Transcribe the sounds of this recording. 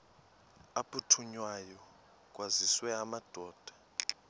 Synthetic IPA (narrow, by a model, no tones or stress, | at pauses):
apʰʼutʰuɲwajɔ | k̬ʼwaziswɛamad̥ʱɔːd̥ʱḁ